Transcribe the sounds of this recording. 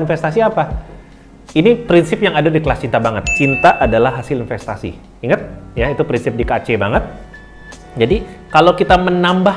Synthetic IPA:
nfɛst̪asiapa | inipɾinsɪpjaŋadadikəlast͡ʃint̪abaŋət̪̚t͡ʃint̪aʔadalahɦasɪlinfɛst̪asḭ | iŋət̪̚jait̪upɾinsɪp̚dikat͡ʃebaŋət̪̚ | d͡ʒadi | kalawkit̪amənamba

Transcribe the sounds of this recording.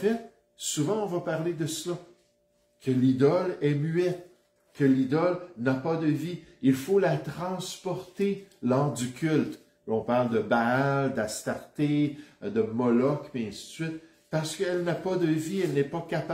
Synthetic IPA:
fɛt̪̚ | suvɑ̃ɔ̃vapaʁled̪əsla | kʰəlid̪ɔlɛmyɛt̪ | kəlid̪ɔlnapad̪əviilfolat̪ʁɑ̃spɔʁt̪elɑʁd̪ykʲʰylt̪ | ɔ̃paʁld̪əbald̪ast̪aʁt̪ed̪əmɔlɔkmɛɛ̃si̥t̪sɥɪt̪ | paʁsə̥kəɛlnapad̪əviɛlnɛpakap

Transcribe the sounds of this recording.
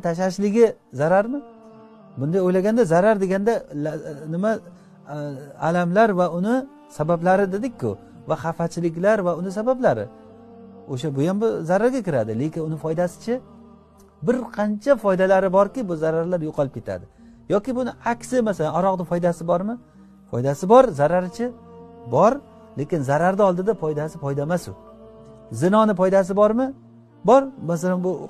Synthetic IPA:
t̪ʰaʃ̬aʃlɪɡʲɪzaɾaɾmɪ | bʊnd̪ajojlaɡʲand̪azaɾaɾd̪e̞ɡʲand̪alnɪma | alamlaɾvaʊnɪ | sabablaɾɪd̪ed̪ɪkʲʰːʊ | vaχafat͡ʃʰɪlɪkʲlaɾvaʊnɪs̬abablaɾɪ̰ | oʃabʊjambɪzaɾaɾɡʲakʲɪɾad̪ɪle̞kʲɪnʊnɪfɒjd̪asɪ̥t͡ʃʰɪ | bɪɾqʰɑnt͡ʃʰafɒjd̪alaɾɪbɒɾkʲɪbʊzaɾaɾlaɾjoqʰɑlˠɪp̚kʰʲe̞t̪ʰa̰d̪ɪ | jɒkʲɪbʊnɪakʲsɪmasalanɒɾɒqd̪ɪfɒjd̪asɪbɒɾmɪ | fɒ̰jd̪asɪbɒɾzaɾaɾt͡ʃʰɪbɒɾ | le̞kʲɪnzaɾaɾd̪aɒlˠd̪ɪd̪apʰɒjd̪asɪpɒjd̪amasʊ̰ | zɪnɒnɪpɒjd̪as̬ɪbɒɾmɪ | bɒɾmas̬alanbʊ

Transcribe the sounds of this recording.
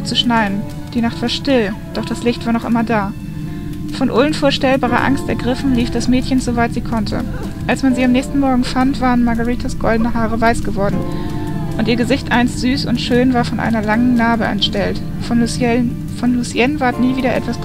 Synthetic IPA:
t͡suʃnaɪn̩ | d̥iːnaχtv̥aːɐʃtɪld̥ɔχd̥aslɪçtv̥aːɐnɔχʔɪmɐdaː | fɔnʔoːlənfoːɐʃtɛlbaːʁ̞ɐ̰ʔa̰ŋstɛ̰ɐɡʁɪfn̩liːfd̥asmɛːtçənzovaɪtz̥iːkʰɔntʰə̰ | ʔalsmanziːamnɛːçstn̩mɔɐɡŋ̩fantv̥aːʁənmaɐɡəʁiːtʰasɡ̥ɔldn̩əɦaːʁəvaɪsɡ̥əvɔɐdn̩ | ʔʊntiːɐɡəzɪçtʔaɪnstz̥yːsʊntʃøːnvaːɐfɔnʔa̰ɪnɐlaŋənnaːbəʔɛ̰ntʃtɛlt | fɔnlusjɛnvaɐtniːviːdɐʔɛ̰tv̥as

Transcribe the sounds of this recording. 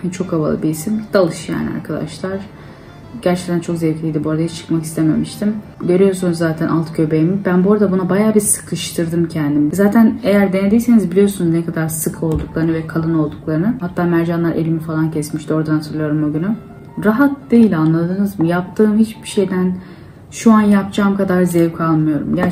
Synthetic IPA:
ht͡ʃʰo̞kava̰lˠɯ̰biisimd̪alˠɯʃja̰ːnḭa̰ɾkʰad̪a̰ʃlˠaɾ̥ | ɟ̥æɾt͡ʃʰɛc̚t̪ʰænt͡ʃʰo̞kzevcʰlʲijd̪ibuɾad̪aɦit͡ʃʰɯ̥kmaki̥st̪eme̞̰miʃt̪ʰim | ɟø̞ɾyjo̞ɾsunuzːaːt̪ʰænʔalt̪cʰø̞bejimibænboɾad̪abunabajaːbiɾsɯ̥kʰɯʃt̪ʰɯɾd̪ɯmcʰɛnd̪imzaːt̪ʰæne̞jæɾd̪e̞ned̪ijse̞nizbilʲijo̞ɾsunuznɛkʰad̪aɾsɯkʰɯo̞lˠd̪uklˠaɾɯnɯvɛkʰalˠɯno̞lˠd̪uklˠaɾɯnɯhat̪ʰːaːmæɾd͡ʒanlˠaɾe̞̰lʲimifalˠancʰɛsmiʃt̪io̞ɾd̪anat̪ʰɯɾlˠɯjo̞ɾumbuɟyny | ɾaɦat̪̚d̪ejilʲanlˠad̪ɯːnɯzmɯjap̚t̪ʰɯːmhit͡ʃbiʃe̞jd̪æn | ʃuanjap̚t͡ʃʰaːmkʰad̪aɾzɛvcʰalˠmɯjo̞ɾṵmɟæ

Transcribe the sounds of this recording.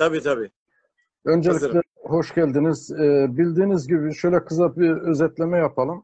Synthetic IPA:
t̪ʰabiːt̪ʰabiː | ø̞nd͡ʒelʲiclʲɛ | ho̞ʃɟælʲd̪iniz̥ɛːbilʲd̪iːnizɟibiʃø̞jlʲɛkʰɯzabiøzɛt̪lʲemɛjapʰalˠɯm

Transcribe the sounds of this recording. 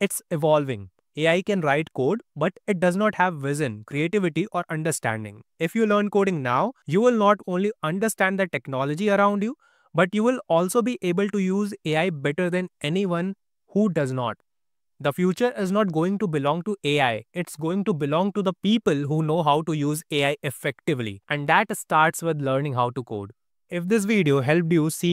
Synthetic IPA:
ɪʈsɪʋɔːlʋɪ̰̃ŋ | eːaɪkɛ̃nɾaɪʈkoːɖbʌʈɪʈ̚ɖɐznɔːʈhæʋʋɪzə̃nkɾieːʈɪʋɪʈiʔɔːɾʔɐ̃ɳɖəɾsʈæ̰̃ɳɖɪ̰̃ŋɪfjuːləːɾnkoːɖɪ̃ŋna̰ʊjuːʋɪlnɔːʈõːnliɐ̃ɳɖəɾsʈæ̃nɖd̪əʈɛknɔːləd͡ʒiɐɾãʊ̃ɳɖjuː | bʌʈjuːʋɪlɔːlsoːbiʔeːbəlʈujuːzeːaɪbɛʈəɾd̪ɛ̃nʔɛniʋʌ̃n | huːɖʌznɔ̰ːʈ̚ | d̪əfjuːt͡ʃəɾʔɪznɔːʈ̚ɡoːɪ̃ŋʈubɪlɔ̃ːŋʈuʔeːaɪɪʈsɡoːɪ̃ŋʈubɪlɔ̃ːŋʈud̪əpiːpəlɦuːnoːɦaʊʈujuːzeːaɪʔɪfɛkʈɪʋlḭʔɛ̃ɳɖd̪æʈsʈaːɾʈsʋɪd̪ləːɾnɪ̃ŋɦaʊʈuko̰ːɖ | ɪfd̪ɪs̬ʋiːɖioɦɛlp̚ɖjusiː

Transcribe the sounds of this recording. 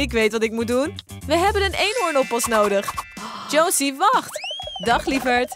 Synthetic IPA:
ɪkʋejtʋɑtɪk̚mut̚dunʋəɦɛbənənejnʊɹnɔpɑsnowdəχd͡ʒowsiʋɑχtdɑχlivəɹt

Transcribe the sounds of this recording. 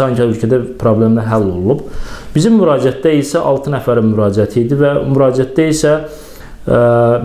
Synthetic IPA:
ɑɲcʰælølcʰæd̪æpʰɾoblʲemlæɾɦælːo̞lˠunˠub̥b̥izimːyɾɑːd͡ʒiæt̪̚d̪æilsæʔɑlˠt̪ʰɯnæfæɾimyɾɑːd͡ʒiæt̪ʰiːd̪ivæmyɾɑːd͡ʒiæt̪d̪æisæ

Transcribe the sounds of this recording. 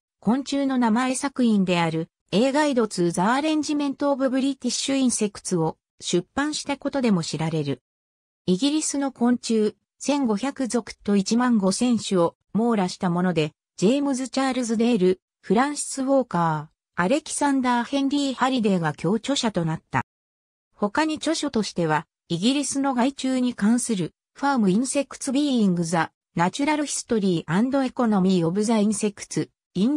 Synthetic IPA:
kõ̞ɲ̟t͡ɕɨːno̞namae̞sakɯ̟ĩnd̪e̞aɾɯ̟ | e̞ːɡaid̪o̞t͡sɨːzaːɾẽ̞ɲ̟d͡ʑimẽ̞nt̪o̞ːbɯbɯ̟ɾʲit̪ʲiɕɨĩɰse̞kɯ̟̥t͡sɨo̞ | ɕɨpːãɰ̃ɕi̥t̪ako̞t̪o̞d̪e̞mo̞ɕiɾaɾe̞ɾɯ̟ | iɡʲiɾʲisɨno̞kõ̞ɲ̟t͡ɕɨː | sẽ̞ŋɡo̞çʲakɯ̟zo̞kɯ̥t̪o̞it͡ɕimãŋɡo̞sẽ̞ɰ̃ɕɨo̞ | mo̞ːɾaɕi̥t̪amo̞no̞d̪e̞ | d͡ʑe̞ːmɯ̟zɨt͡ɕaːɾɯ̟zɨd̪e̞ːɾɯ̟ | ɸɯ̟ɾãɰ̃ɕi̥sɨβo̞ːkaː | aɾe̞kʲi̥sãnd̪aːhẽ̞nɾʲiːhaɾʲid̪e̞ɡakʲʰo̞ːt͡ɕo̞ɕat̪o̞nat̪ːa̰ | ho̞kaɲ̟it͡ɕo̞ɕo̞t̪o̞ɕi̥t̪e̞β̞a | iɡʲiɾʲisɨno̞ɡait͡ɕɨːɲ̟ikãɰ̃sɨɾɯ̟ | ɸaːmɯ̟ĩɰse̞kːɯ̥t͡sɨbʲiːĩŋɡɯ̟za | nat͡ɕɨɾaɾɯ̟çi̥st̪o̞ɾʲiːʔãnd̪o̞e̞ko̞no̞mʲiːo̞bɯ̟zaĩɰ̃se̞kːɯ̟̥t͡sɨ | ĩn

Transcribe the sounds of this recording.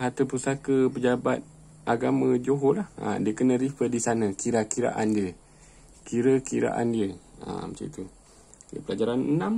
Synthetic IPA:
ɦat̪əpusakəpəd͡ʒabat̪̚ | ʔaɡamə̃d͡ʒoɦolahə̰diəkənə̃ɾifədisanə̃kiɾakiɾa̰ʔandiə | kiɾəkiɾa̰ʔa̰ndiəə̰məsa̰t̪u | iəpəlad͡ʒaɾanənãm

